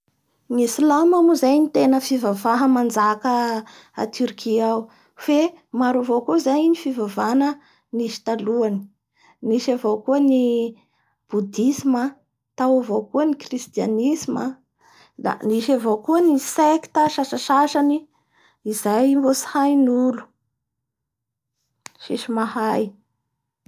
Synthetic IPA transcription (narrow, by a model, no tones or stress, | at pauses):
nisilamamuzajnit̪enəfivavaɦəmand͡zakə | a̰t̪yɾkʰiaw | femaɾavokozajnifivavanə | niʃi̥t̪aluani̥ | niʃavokuəni | b̥ud̪isima | t̪awavowkuənikrist̪ia̰nisma | d̪a̰niʃavowkuəniseki̥t̪aʃaʃaʃaʃani | izajmbosi̥hajnulu̥ | ʃiʃimahaj